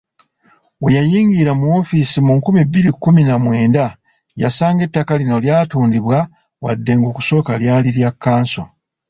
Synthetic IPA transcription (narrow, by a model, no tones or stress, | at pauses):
wejajiːŋɡiɾamuo̞fisimuŋkumibːiɾikːuminamwe̞ːnda | ja̰saːŋɡe̞tːakalino̞ljaːtuːndiβwa | wa̰dːe̞ŋɡoːku̥so̞ːkaljaːliɾjakːaːnso̞̰